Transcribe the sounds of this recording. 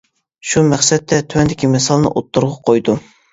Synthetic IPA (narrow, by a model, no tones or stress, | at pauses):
ʃumæχsɛt̪ʰːɛt̪ʰywɛnd̪ɪkʲimɛsɑlˠnɨ̰ʔot̪ːuɾʁɑqʰojd̪u